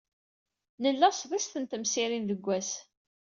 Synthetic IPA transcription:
nəlːæsðˤæst̪ənt̪əmsiɾinðəɡʷːæs

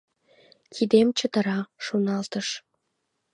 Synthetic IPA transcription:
kʰid̪emt͡ɕə̆t̪ɤ̆ɾɑʃunɑlt̪ɤ̆ʃ

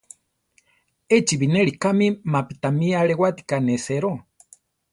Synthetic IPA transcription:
et͡ʃiβineɺikamimapit̪amiaɺewat̪i̥kaneseɾo

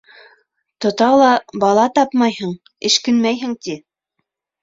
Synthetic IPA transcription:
t̪ŏt̪ɑlˠɑbɑlˠɑt̪ɑpmɑjhɤɴ | ɘ̆ʃkɘ̆nmæjɦɘ̆ŋt̪i

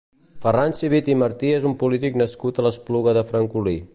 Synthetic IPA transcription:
fəransiβit̪iməɾt̪iezumpulit̪iknəskut̪ələspluɣəðəfɾəŋkuli

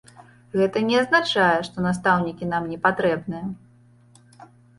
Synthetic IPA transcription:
ɣɛt̪ɐnʲɛɐznat͡ʂajɛʂt̪ɔnas̬t̪awnʲikʲinamnʲɛpat̪ɾɛbnɨjɐ

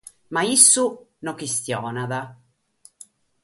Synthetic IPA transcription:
maisːunɔkist̪jɔːnaða

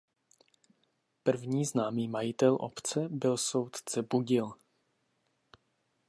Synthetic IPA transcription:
pr̩vɲiːznaːmiːmajɪt̪ɛlʔo̰pt͡sɛbɪlso̞wt̪t͡sɛbuɟɪl

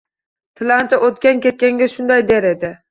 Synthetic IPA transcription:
t̪ʰɪlant͡ʃ̪ʰaʔot̪kʲankʲe̞t̪̚kʲaŋɡʲaʃʊnd̪ajd̪e̞ɾe̞d̪ɪ

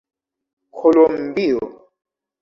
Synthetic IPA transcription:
kʰɔlɔm̩biɔ̰

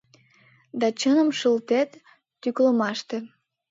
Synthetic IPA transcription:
d̪ɑt͡ɕənəmʃəlt̪et̪ː | ykləmɑʃt̪e

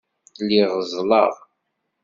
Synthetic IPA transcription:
liʁəzˤlɑʁ

